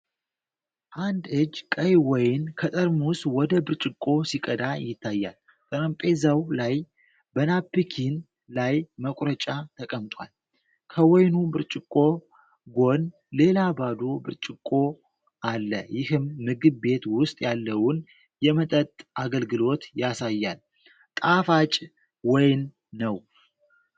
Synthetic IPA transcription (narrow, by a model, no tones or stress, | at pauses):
ʔand̪ɨd͡ʒkʼəjwɔjnkʰət̪ʼəɾmuswɔd̪əbɨɾt͡ʃʼɪkʼːo̞sikʼəd̪ajɪt̪ʰːajːa̰l | t̪ʼəɾəmpʼezawlaj | bənapːikʰin | lajməkʼɾət͡ʃʼat̪ʰəkʼəmt̪ʼwa̰l | kʰəwɔjnubɨɾt͡ʃʼɪkʼːo̞ | ɡo̞n | le̞labad̪o̞bɨɾt͡ʃʼɪkʼo̞ | ʔalːəjɪhɨmːɨɡɨbːe̞t̪wʊst̪ʼjalːəwʊn | jɛmət̪ʼət̪ʼaɡəlɡɨlo̞t̪jasajːal | t̪ʼafat͡ʃʼ | wɔjnː | əw